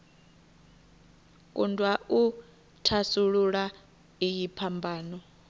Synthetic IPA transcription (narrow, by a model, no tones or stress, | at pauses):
kʼundʱʼwau | tʰasuɺuɺa | ijipʰambʱaːnɔ